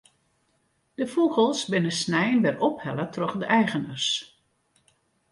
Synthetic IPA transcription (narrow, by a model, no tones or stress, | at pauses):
d̥əfuɣəlˠsbɪnəsnɛjənʋɛrɔphɛlətrɔχdəʔɛjɣənərs